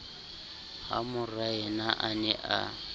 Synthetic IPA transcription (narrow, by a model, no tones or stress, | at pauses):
ha̰mʊraɛnaʔanɛʔa̰